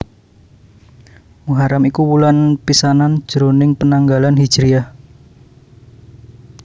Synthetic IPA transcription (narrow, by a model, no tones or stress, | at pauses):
muɦaɾamikuwulanpisanan̥ʒ̥ɾonɪŋpənaŋɡalanɦid̥ʒ̥ɾiah